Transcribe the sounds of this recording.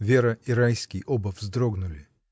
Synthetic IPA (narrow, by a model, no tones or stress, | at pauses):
vʲeɾəiɾajskʲɪjʔobəvzd̪ɾoɡnʊlʲɪ